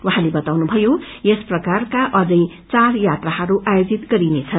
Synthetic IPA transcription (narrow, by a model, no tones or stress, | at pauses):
waɦãlebʌt̪awnubʱʌjo | jesprʌkarkaʔʌd͡zʌj | t͡sarjat̪rahʌɾuʔajod͡zit̪ɡʌɾinet͡sʰʌn